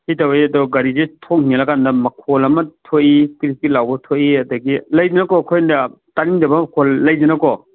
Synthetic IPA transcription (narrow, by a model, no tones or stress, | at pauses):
hitɐwiɐdɔɡɐɾizetʰoŋ̚nilɐkandɐmɐkʰolɐmɐtʰojikɾikilawbɐtʰojiɐdɐɡilɐjd͡ʒɐnɐkɔkʰojndɐ | taɾindɐbɐmɐkʰolːɐjd͡ʒɐnɐkɔ